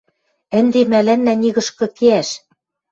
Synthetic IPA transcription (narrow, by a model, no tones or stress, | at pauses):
ɘ̆nd̪emælænːæniɣɤ̆ʃkɤ̆keæʃ